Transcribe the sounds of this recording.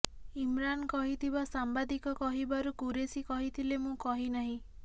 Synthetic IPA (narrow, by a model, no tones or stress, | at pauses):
imɾankɔɦit̪ʰibasambad̪ikɔkɔɦibaɾukuɾesikɔɦit̪ʰilemũkɔɦinaɦĩ